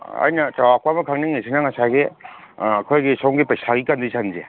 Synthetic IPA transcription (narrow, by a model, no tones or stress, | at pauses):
ɐ̰jnɐtawakwamɐkʰaŋniŋnisʰinaŋasaɡe | ɐkʰɔjɡisɔŋɡipajsaɡikandisʰanze